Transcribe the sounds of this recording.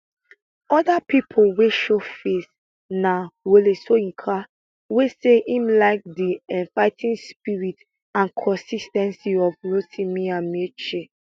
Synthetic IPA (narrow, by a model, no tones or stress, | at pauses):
ɔdapipʰolweʃofes | nawolesoĩnkʰa | weseʔĩmlaɪk̚diɛ̃ɱfaɪtʰĩnspiɹit | ãnkʰɔ̃nsistɛ̃nsiɔvɹotʰĩmiãmet͡ʃe